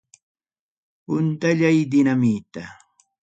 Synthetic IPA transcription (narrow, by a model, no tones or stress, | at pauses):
pʊnt̪aʎajd̪ɪnamit̪a